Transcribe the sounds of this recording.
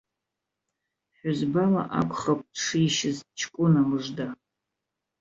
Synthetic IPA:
ħʷᶣʊzbala̰ʔa̰kʷʰʼχakʷʼʂiːʃɪzt͡ʃʰkʷʼʊnamɨʐda

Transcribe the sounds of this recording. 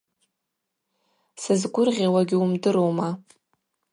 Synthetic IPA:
sɨzɡʷʊrʁʲawaɡʲɪumdɨɾowma

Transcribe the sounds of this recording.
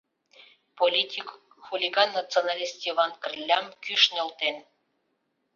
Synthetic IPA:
polʲitʲik | xulʲiɡɑnːɑt͡sionɑlʲist̪ʲiβɑnkə̆rlʲːɑmkyʃnʲĕlt̪en

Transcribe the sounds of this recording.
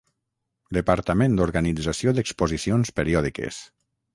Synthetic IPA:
d̪əpaɾt̪amẽnd̪oɾɣanid͡zasioðəkspozisionspeɾiɔðikḛs

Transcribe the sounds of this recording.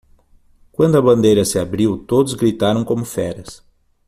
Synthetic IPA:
kwɐ̃nd̪ʊɐbɐ̃nd̪ejɾɐsɪabɾiwt̪od̪ʊzɡɾit̪aɾɐ̃w̃kõmʊfɛɾɐs

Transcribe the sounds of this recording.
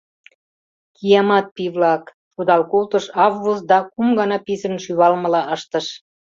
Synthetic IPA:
kijɑmɑt̪̚piβlɑk | ʃud̪ɑlkolt̪ə̆ʃɑvːuzd̪ɑkumɡɑnɑpisə̆nʃyβɑlmə̆lɑəʃt̪ə̆ʃ

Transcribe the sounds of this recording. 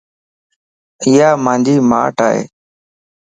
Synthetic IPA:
ɪjaːmãːnd͡ʒiːma̰ːʈaːɦḛː

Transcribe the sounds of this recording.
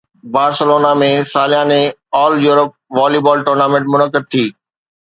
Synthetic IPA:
baːɾsəloːnamẽsaːlɪjãːnẽɔːljuːɾəp̚ʋaːliːbɔːlʈoːɾnaːmẽɳʈmʊnəkɪd̪̚t̪ʰiː

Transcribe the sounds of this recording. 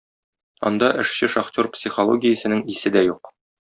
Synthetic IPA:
ɒ̰nd̪ɑʔɘ̆ʃɕɘʃɐχtʲorpsʲiχolˠoɡʲɪjə̆sɘ̆nɘŋisɘd̪æjuq

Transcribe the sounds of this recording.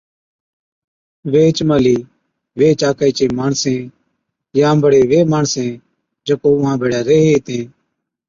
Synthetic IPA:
ʋeːt͡ʃməliː | ʋeːt͡ʃaːkaiːt͡ʃẽːmaːɳsẽː | jãːmbəɽeːʋeːmaːɳsẽː | d͡ʒəkoːʊɦãːbʱeːɽaːɾeːɦeːt̪ẽː

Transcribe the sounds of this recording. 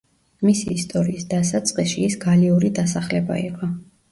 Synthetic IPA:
misiːst̪ʼɔɾiːsd̪asat̪sʼqʼiʃiːsɡaliuɾid̪asaχlɛba̰ḭqʼɔ

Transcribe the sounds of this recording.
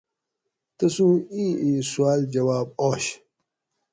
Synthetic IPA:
t̪ɐsũːĩːĩːswaːld͡ʑɐwaːb̚oːɕ

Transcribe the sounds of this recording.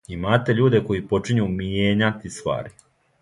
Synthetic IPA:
imaːt̪e̞ʎuːd̪e̞ko̞jipo̞t͡ʃiɲuːmijeːɲat̪ist̪ʋa̰ːɾi

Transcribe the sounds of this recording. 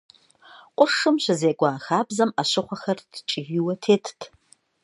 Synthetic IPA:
qʷʼʊʂɨmɕʷɨzeːɡʷaːxaːbzɐmaɕɪχʷɐxɐrdt͡ʃʼɪjiwɐtʰeːtʰtʰ

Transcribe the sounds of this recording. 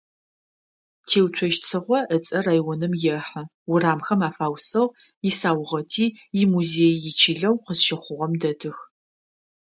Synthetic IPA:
tʰeːwtʷʰɔʒt͡sʰɨʁʷɔʔət͡sʼɐrajwɔnɨmjɛħɐ | ʊraːmxɐmaːfaːwsɐʁ | jɪsaːwʁɐtʰiː | jɪmuzeːjːɪt͡ʃʰɪɮɐwqəzʃɐχʷʊʁɐmdɐdʰɨx

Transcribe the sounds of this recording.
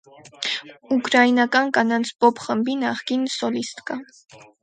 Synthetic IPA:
ukɾɑinɑkɑnkɑnɑnt͡sʰpɔpχəmbinɑχkinsɔlist̪kɑ

